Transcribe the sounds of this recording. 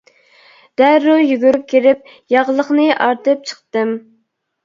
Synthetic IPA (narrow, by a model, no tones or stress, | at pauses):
d̪̥æɾːujyɡʲyɾyp̚kʲʰeɾɪp̚ | jɑʁlˠəχnɨʔɑɾt̪ɨp̚t͡ʃʰə̥χt̪ɨm